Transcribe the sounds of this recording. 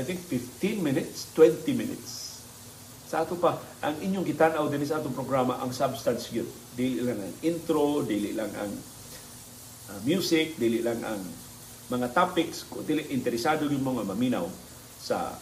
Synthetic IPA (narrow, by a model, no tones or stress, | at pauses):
ajt̪ɪŋkfɪft̪ɪ̃nmɪnɪt̪st̪wɛnt̪imɪnɪ̰t̪s | sɐʔaːt̪opaʔaŋʔɪɲjoŋɡɪt̪anʔawd̪ɪns̬aʔaːt̪ʊŋpɾoɡɾama̰ʔaŋsabst̪ansɡɪd̪ | d̪iːlɪʔlaŋa̰ŋɪnt̪ɾod̪iːlɪʔlaŋa̰ŋ | ʔamjuːsɪk̚d̪iːlɪʔlaŋa̰ŋ | mɐŋat̪apɪkskʊd̪iːlɪʔɪnt̪ɛɾɪsaːd̪oɡɪd̪̚moŋamɐmina̰w | sa̰